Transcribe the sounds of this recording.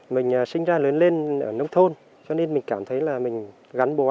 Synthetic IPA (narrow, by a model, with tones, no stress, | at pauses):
mï˨˩ŋ̟ʔəː˨˩sï˧ŋ̟zaː˧ləː˨˦nle˧nʔəː˧˩nə˧˦wŋ͡mt̪ʰo˧n | t͡ɕɔ˧ne˧nmï˨˩ŋ̟kaː˧˩mt̪ʰə˨˦jlaː˨˩m˨˩ŋ̟ | ɣa˨˦ŋɓo˨˩ʔ